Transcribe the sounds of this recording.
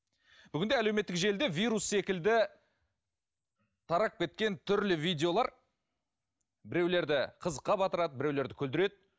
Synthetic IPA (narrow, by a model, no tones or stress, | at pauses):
b̥ʏɡʲɪnd̪eæle̞wmet̪ːɪkʒe̞ld̪e̞vʲijɾusːe̞kʲɪld̪ɪ | t̪ʰɑɾɑp̚kʲe̞t̪̚kʲe̞nt̪ʰʏɾlɪvijd̪ʲe̞o̞lˠɑɾ | bɪɾe̞wle̞ɾd̪ɪqʰəzəqːɑbɑt̪əɾɑd̪əbɪɾe̞wle̞ɾd̪ɪkʲʰɵld̪ɪɾe̞d̪̚